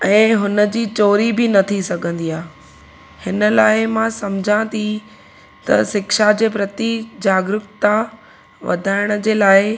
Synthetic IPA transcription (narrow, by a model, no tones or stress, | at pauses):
ɛ̃ːɦʊnəd͡ʑiːt͡ɕoːɾibɪnɐt̪ʰisɐɡʱə̃nd̪iaː | hɪnəlaːɪmãsɐmd͡ʑʱãt̪ʰi | t̪ɐ̰sɪkʃad͡ʑeːpɾɐt̪id͡ʑaːɡɾʊkt̪a | ʋɐ̰d̪ʱaːɪɽ̃̆d͡ʑeːlaːɪ